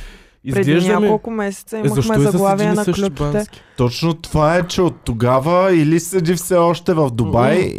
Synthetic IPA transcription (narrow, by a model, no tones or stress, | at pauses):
izpɾɛd̪ɛiʒɲd̪ɐmkolˠkʊmɛsɛ̥t̪səizməmɛɔɐɡlˠaaviɛnɐklʲukanɛi̥t̪ɔt͡ʃnot̪ovaɛt͡ʃɛot̪ːoɡavəilisəd̪ifsɛɔʃt̪ɛvɐfd̪obaj